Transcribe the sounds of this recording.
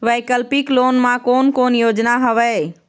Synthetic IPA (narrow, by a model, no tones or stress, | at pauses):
ʋɛjkəlpikloːnmãkoːnkoːnjoːd͡ʒnaɦəʋɛ